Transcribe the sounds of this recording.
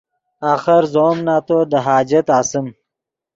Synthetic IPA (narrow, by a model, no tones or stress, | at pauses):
aːxəɾzoːmnaːt̪oːd̪əɦaːd͡ʒɐt̪aːsəm